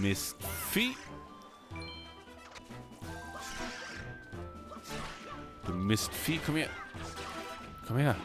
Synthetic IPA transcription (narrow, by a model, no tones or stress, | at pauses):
mɪstfit̚ | d̥əmɪstfit̚kʰʌ̃mɛ | kʰʌ̃mhiə